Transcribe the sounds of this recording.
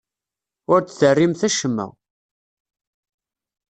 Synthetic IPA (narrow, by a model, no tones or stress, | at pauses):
ʊɾt͡sθərːimθæʃəmːæ̰